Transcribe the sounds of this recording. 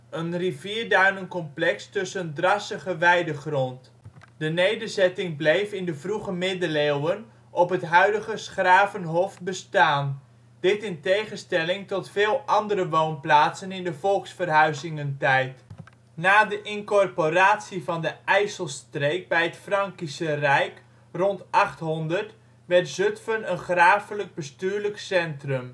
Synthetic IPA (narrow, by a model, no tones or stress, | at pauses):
ənriviːɹdaːnənkɔmplɛkstɵsəndrɑsəχəʋɛjdəχrɔnt | d̥ənejdərzɛtɪŋblejfɪndəvruχəmɪdəlewən | ɔpɦətɦœɥdəɣəsχraːvənɦɔf̚bəstaːn | d̥ɪtɪntejχənstɛlɪŋtɔtfeːlˠʔɑndəɾəʋownplaːtsənɪndəvɔlˠksfərɦœɥzɪŋəntɛjt | naːdəʔɪnkɔrporaːtsivɑndəɛjsəlˠstrejk̚bɛjətfrɑŋkisərɛjk | rɔntʔɑχtɦɔndərt | ʋɛrtzøtfənənχraːfələɡ̚bəstyːɹləksɛntrɵm